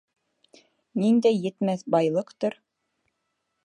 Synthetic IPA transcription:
nind̪æjːɘ̆t̪mæθbɑjlˠɤqt̪oɾ

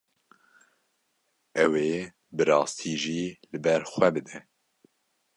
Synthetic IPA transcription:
ɛweː | bɨɾɑːst̪ʰiːʒiːlɨbɛɾxwɛbɨd̪ɛ

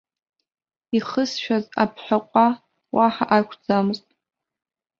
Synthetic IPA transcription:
iχəsʃᶣaza̰pʰħʷᶣaqʷʼa | wʔaħaʔakʷʰd͡zamɨztʼ

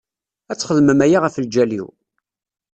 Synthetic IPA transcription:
æt͡sːχəðməmæjaʁəfəld͡ʒælḭw

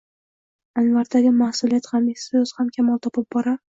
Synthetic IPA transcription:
anvaɾd̪aɡʲɪmahsʊlˠijat̪hamesɪjoz̥hamkʲʰamɒlˠt̪ʰɒpʰɪp̚bɒɾa

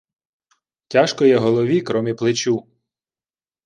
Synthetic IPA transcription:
tʲaʃkɔjɛɦɔlˠɔʋʲikɾɔmʲiplˠɪt͡ʃu

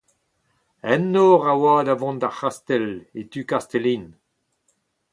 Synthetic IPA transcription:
ɛnːoːʁawaːd̪avɔ̃ndaχast̪ɛletykast̪elin

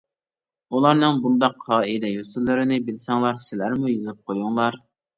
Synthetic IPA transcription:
ulˠɑɾnɨŋbund̪ɑqʰːɑːid̪ɛjysulːɪɾɪnɪbɪlsɑŋlˠɑɾsɪlæɾmujɨzɨp̚qʰojuŋlˠɑɾ

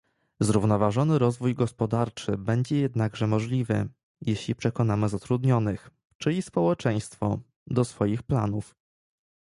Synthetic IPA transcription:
zɾuvnɔvaʐɔnɘɾɔzvujɡɔspɔd̪aɾt͡ʂɘbɛɲd͡ʑɛjɛd̪naɡʐɛmɔʐlʲivɘ̰ | jeɕlʲipʂɛkɔn̪amɘzat̪ɾud̪ɲɔnɘx | t͡ʂɘlʲispɔwɛt͡ʂɛj̃st̪fɔ̰ | d̪ɔsfɔjixpla̰nuf

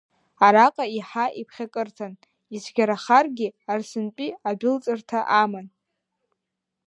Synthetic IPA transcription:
aɾaqʼaiħaʔipʰχʲakʼɨrtʰan | isɡʲaɾaχarɡʲɪarsɨnpʼiabɪlt͡sʼɨrtʰaʔaman

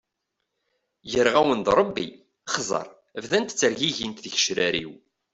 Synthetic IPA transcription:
jəɾʁæwənd̪ɾˤəbːi | χzˤɑ̰ɾˤ | əvðænt̪t͡sːəɾʝiʝint̪θəçə̥ʃɾæɾḭw

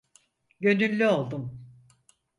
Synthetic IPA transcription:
ɟø̞nylʲːyo̞lˠd̪um

